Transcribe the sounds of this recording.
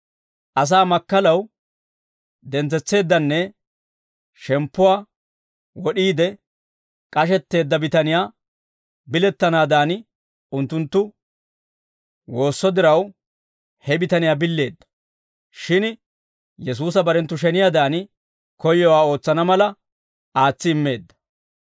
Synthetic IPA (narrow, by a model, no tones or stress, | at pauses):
ʔɐs̬aːmɐkːɐlɐw | d̪ɛnt͡sːɛt͡sːe̞ːd̪ːɐnːɛ | ʃɛmpːʊwaː | wɔɗiːd̪ɛ | kʼɐʃ̬ɛt̪ːe̞ːd̪ːɐbɪt̪ɐnɪjaː | bɪlɛt̪ːɐnaːd̪aːn | ʊnt̪ːʊnt̪ːʊ | wo̞ːsːɔd̪ɪɾɐw | hɛbɪt̪ɐnɪjaːbɪlːe̞ːd̪ːɐ̥ | ʃɪn | jɛs̬uːsɐbɐɾɛnt̪ːʊʃ̬ɛnɪjad̪aːn | kɔjːɔwaːo̞ːt͡sːɐnɐmɐlɐ | aːt͡sːɪːmːe̞ːd̪ːɐ̥